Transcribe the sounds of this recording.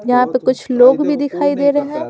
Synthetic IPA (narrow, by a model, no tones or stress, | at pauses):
jɐɦãpekʊt͡ʃʰloːɡbʱid̪ɪkʰaːid̪eːɾɐɦɦɛ̃ː